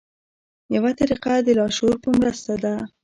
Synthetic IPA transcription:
jawat̪aɾiqad̪əlɑʃoɾpəmɾəst̪ad̪a

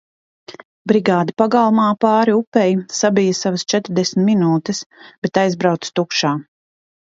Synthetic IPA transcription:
bɾiɡaːd̪ipaɡalˠmaːpaːɾiupɛjsabijɐsavəst͡ʃɛt̪ɾd̪ɛsmʲt̪minuːt̪ɨsb̥et̪ajzbɾawt̪st̪ukʃaː

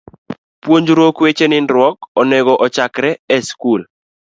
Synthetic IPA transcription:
pwoɲd͡ʒɾokwet͡ʃenɪnɾwɔkɔnɛɡɔʔɔt͡ʃakɾɛɛskul

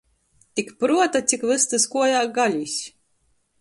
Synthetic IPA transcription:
t̪ʲikpɾuɔt̪at̪sʲikvɨst̪ɨskuɔjaːɡalʲusʲ

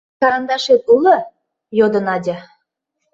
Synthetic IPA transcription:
kɑɾɑnd̪ɑʃet̪ulɤ̆ | jod̪ə̆nɑdʲɑ

